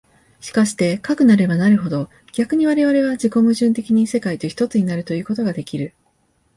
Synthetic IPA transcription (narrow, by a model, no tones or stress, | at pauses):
ɕi̥kaɕi̥t̪e̞kakɯ̟naɾe̞banaɾɯ̟ɦo̞d̪o̞ | ɡ̥ʲakɯ̟ɲ̟iβ̞aɾe̞βaɾe̞β̞ad͡ʑiko̞mɯ̟ʑɨ̃nt̪e̞kʲiɲ̟ise̞kait̪o̞çi̥t̪o̞t͡sɨɲ̟inaɾɯ̟t̪o̞jɯ̟ːko̞t̪o̞ɡad̪e̞kʲiɾɯ̟